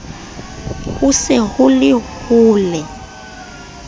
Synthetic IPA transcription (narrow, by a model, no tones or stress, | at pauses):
husɛhulɪhuːlɛ